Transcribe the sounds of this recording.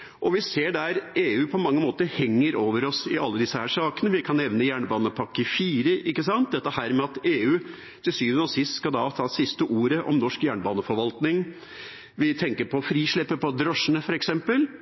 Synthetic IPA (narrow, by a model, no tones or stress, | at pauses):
ʔɔʋɪseːɖæɾeːʉːpʰɔmɑŋːəmoːt̪əɾhɛŋːəɾoːʋəɾɔsɪʔɑlːəd̪ɪsːəhæːʂɑːkənəʋɪkʰɑnːɛʋnəjæːɳbɑːnəpʰɑkːəfiːɾəʔɪkːəsɑnt̪̚d̪ɛt̪ːəhæːɾmɛɑt̪eːʉː | t̪ʰɪlsyːʋənɔsɪst̪skɑd̪ɑt̪ʰɑːsɪst̪əʔuːɾəʔɔ̰mnɔʂkjæːɳbɑːnəfɔɾʋɑlt̪nɪŋ | ʋɪt̪ʰɛŋkəɾpʰɔfɾiːʂɭɪpːəpɔd̪ɾɔʂːənəfɔɾɛksɛmpəl